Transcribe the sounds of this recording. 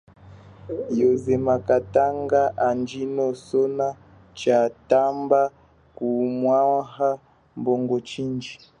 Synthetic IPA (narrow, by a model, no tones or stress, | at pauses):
jɔzɛmakataŋɡaʔand͡ʒinɔsɔna | t͡ʃatamba | kumwaaha | mbɔŋɡɔt͡ʃind͡ʒi